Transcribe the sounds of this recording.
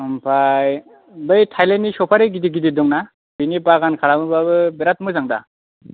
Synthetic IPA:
ɯmpʰaj | bɯjtʰajlenːisɔpʰaɾeɡidiɡididɔŋna | binipaɡankʰaɾamɯbabɯbeɾat̚mɯzaŋda̰

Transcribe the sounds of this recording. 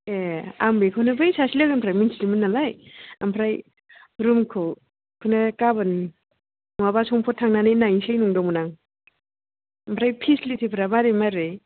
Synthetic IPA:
ea̰mbejkʰɯnɯbɯjsasilawampʰɾajminsilimɯnːalajampʰɾaj | ɾumkʰɯ | kʰɯnakabɯn | abasɔŋpʰɔtʰːaŋnanɯjnajsajnuŋdɔŋmunaŋ | ampʰɾajpʰislitʰipʰɾamaɾemaɾɯj

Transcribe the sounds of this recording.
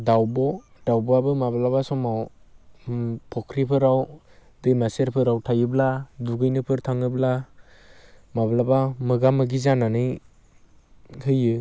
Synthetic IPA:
dawbɔd̥awbɔabɯmablabasɔmaw | pʰɔkʰɾipʰɯɾaw | dɯjmaseɾpʰɯɾawtʰajɯbladuɡɯjnɯpʰɯɾtʰaŋɯbla | mablabamɯɡamɯɡizananɯj | hʰɯjɯ

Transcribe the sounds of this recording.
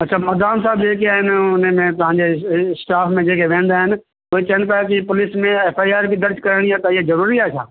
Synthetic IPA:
ɐtːt͡ʃʰaːmɐd̪aːmsaːbd͡ʒeːkiaːɦɪnʊnmẽt̪ɐɦãːɲd͡ʑesʈaːfʰmẽd͡ʒeːkʰeʋẽːn̆d̪aːɦɪn | ʊɦet͡ʃɐəɽ̃nɪt̪aːk̬ipʊlɪsmẽɛːfaːjaːɾbʱid̪ɐɾd͡ʒkɐɾɽ̃iat̪ɐɪɦezɐɾuːɾiaːt͡ʃʰa̰ː

